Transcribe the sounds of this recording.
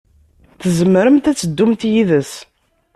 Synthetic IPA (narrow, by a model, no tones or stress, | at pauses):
θəzəmːɾəmt̪æt͡sːəd̪ːumt̪jiðəs